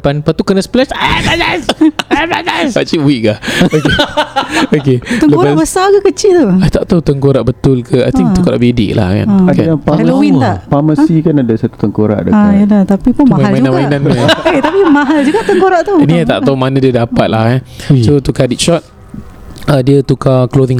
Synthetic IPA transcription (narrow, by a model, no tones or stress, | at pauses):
panpat̪ukənasplɛt͡ʃalalasabadasaʔt͡ʃiwiʔ̚kahoke | okeələkoɾabəsakəkət͡ʃɪʔt̪oajt̪aʔt̪awt̪əŋkoɾaʔbət̪ʊlkʰəa̰jt̪iŋt̪əŋkoɾa̰ʔbidḭʔla̰hka̰nkaaləwint̪aʔpaməsikanadasat̪u̥t̪əŋkoɾa̰ʔdə̰aajəlat̪apipʊnmamaalmanãmainãnket̪apimaɦald͡ʒuɡaʔt̪əŋkoɾaʔt̪oniat̪a̰ʔt̪awmanãdiədapat̪̚lahassot̪ukadit̪̚ʃɔt̪̚ | ədiət̪ukakloðiŋ